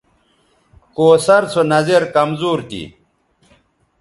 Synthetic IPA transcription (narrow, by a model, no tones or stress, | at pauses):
koːsɐɾt͡sʰonɐzeɾkɐmzuːɾt̪ḭ